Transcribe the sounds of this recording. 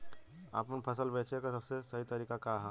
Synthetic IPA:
a̰ːpənpʰɐs̬əlbɛːt͡ʃekasɐbsesɐɦit̪ɐɾiːkakaɦɛ

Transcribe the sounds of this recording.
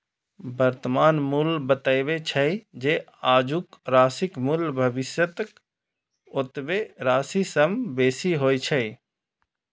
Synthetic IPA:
bəɾt̪maːnmulbət̪əjʋet͡ʃʰəd͡ʒeaːd͡ʒukɾaːsɪkmulbʱəbɪsjət̪k | ot̪ʋeɾaːsisəmbeːsiɦoːjt͡ʃʰəj

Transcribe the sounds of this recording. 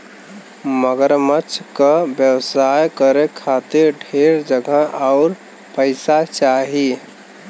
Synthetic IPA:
məɡəɾmət͡ʃʰkabjəwsaːjkəɾekʰaːt̪ɪɾɖʱeːɾd͡ʒəɡʱəaʊɾ | pəɪsat͡ʃaːɦi

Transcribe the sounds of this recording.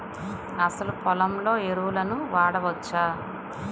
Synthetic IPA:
ɐsɐlupɔlɐmlo̞ːeɾuʋulɐnuʋaːɽɐʋɐt͡ʃːaː

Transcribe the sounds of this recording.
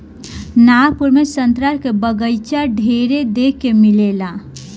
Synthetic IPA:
naɾpuɾmesənt̪ɾəɾkebəɡəjt͡ʃaɖʱeɾed̪ekːemilela

